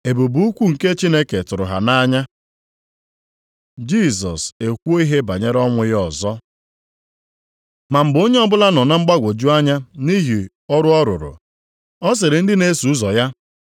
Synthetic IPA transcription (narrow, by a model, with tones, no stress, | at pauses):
e˨bu˨bu˦u˦kʷu˦ŋ̩˨ke˦t͡ʃi˦ne˦ke˨tʊ˨ɾʊ̰˨ɦa̰˨na˦ɲa˦ | d͡ʒi˦˨sɔ˨se˨kʷu˦o˦i˦ɦe˦ba˨ɲe˦ɾɔ˦ŋʷʊ˨jɔ˨zɔ˦ | ma˨m̩˨bo˦ɲe˦ɔ˦bʊ˦la˦nɔ˨na˦ŋ͡m̩˦ɡ͡ba˦ɡʷo˨d͡ʒu˦a˦ɲa˦ni˦ɦi˨ | ɔ˦ɾʊ˦ɔ˦ɾʊ˨ɾʊ̰˨ | ɔ˦s̬ɪ˨ɾɪ˨n̩˦dɪ˦ne˦su˨˦zɔ˨ja˦